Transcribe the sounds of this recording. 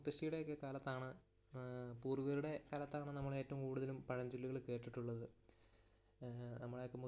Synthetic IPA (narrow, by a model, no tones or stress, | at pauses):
t̪ːɐʂijuɽe̞jokːekaːlɐt̪ːaːɳɨ | puːriʋɐɾuɽe̞kɐːlɐt̪ːaːɳɨnɐmːɐɭe̞ːtːɐʋumkuːɽuðɐlumpɐɻɐɲd͡ʑulːiɣɐɭke̞ːʈːiʈːuɭːɐðɨ | nɐmːɐɭjokːemu